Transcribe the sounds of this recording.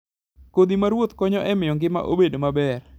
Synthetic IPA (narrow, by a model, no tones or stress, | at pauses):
kod̪imaɾwot̪kɔɲɔʔɛmɪjɔŋɡɪma̰ʔo̰bedomabɛr